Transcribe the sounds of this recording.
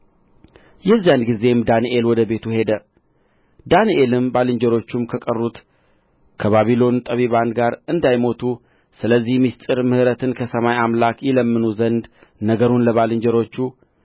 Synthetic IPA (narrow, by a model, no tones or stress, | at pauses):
jɛzːijanɡize̞md̪aniʔelwɔd̪əbe̞t̪uhe̞d̪ə | d̪aniʔe̞lɨmbalɨɲd͡ʒɛɾo̞t͡ʃːumkʰəkʼərːut̪ | kʰəβaβilo̞nt̪ʼəβiβand̪ɡaɾɨnd̪ajmo̞t̪ʰu | sɨləzːihmist̪ʼɨɾmɨhɨɾət̪ʰɨnkʰəsəmajamlakjɪləmːɨnuzənd̪ | nəɡəɾunləβalɨɲd͡ʒəɾo̞t͡ʃːu